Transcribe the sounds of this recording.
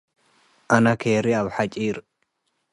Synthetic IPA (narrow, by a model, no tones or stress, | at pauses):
ʔɐnɐkʰeːɾɪɐbħɐt͡ʃʼiːɾ